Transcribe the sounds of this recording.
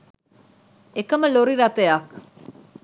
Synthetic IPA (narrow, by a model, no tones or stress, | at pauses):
ekaməloɾiɾat̪eak